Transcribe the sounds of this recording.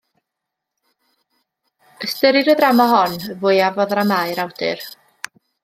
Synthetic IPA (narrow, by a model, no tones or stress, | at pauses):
əstəɾɪɾəðramaɦɔnvʊjavɔðramajɾawdɨ̰r